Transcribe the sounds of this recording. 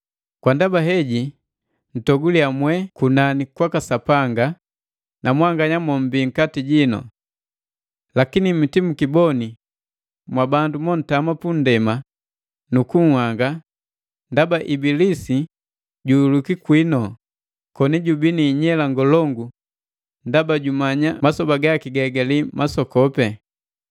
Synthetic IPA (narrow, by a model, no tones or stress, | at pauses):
kwandabaɦɛɟi | n̩tɔɡuliamwɛkunanikwakasapaŋɡa | nʔamwaŋɡaɲamɔm̩biŋ̩katiɟinɔ̰ | lakinimitimukibɔni | mwabandumɔn̩tamapun̩dɛma | nukuŋhwaŋɡa | ndabaʔibilisi | ɟuulukikwinɔ | kɔniɟubiniɲɛlaŋɡɔlɔŋɡu | ndabaɟumaɲamasɔbaɡakiɡɛɡalimasɔkɔpɛ